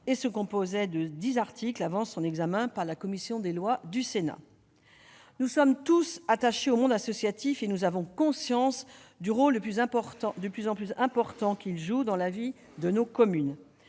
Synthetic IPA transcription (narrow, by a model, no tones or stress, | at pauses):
esəkɔ̃pozɛd̪əd̪izaʁt̪ʰiklavɑ̃sɔ̃nɛɡzamɛ̃paʁlakɔmisjɔ̃d̪elwad̪ysena̰ | nusɔmt̪usat̪aʃeomɔ̃d̪asɔsjat̪ifenuzavɔ̃kɔ̃sjɑ̃sd̪yʁoləplyzɛ̃pɔʁt̪d̪əplyzɑ̃plyzɛ̃pɔʁt̪ɑ̃kʲilʒud̪ɑ̃lavi | d̪ənokɔmyn